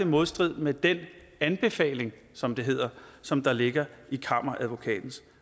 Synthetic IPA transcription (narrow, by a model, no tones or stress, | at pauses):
emo̝ð̞ˠsd̥ʁið̰ˠmed̥en | ænb̥e̝fɛ̰ːle̝ŋ | sɒ̽md̥e̝ɦe̝ð̞̰ˠɐsɒ̽md̥ɑ̈le̝ɡ̥ɐikʰɑ̈m̰ɐʔæðˠʋo̝kʰɛ̰ːd̥n̩s